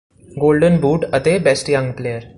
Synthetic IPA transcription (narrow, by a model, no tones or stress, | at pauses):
ɡolɖənbuːʈət̪ebesʈjãŋɡplejəɾ